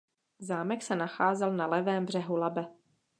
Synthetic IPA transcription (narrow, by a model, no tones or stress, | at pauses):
zaːmɛksɛnaxaːzɛlnalɛvɛːmbr̝ɛɦulabɛ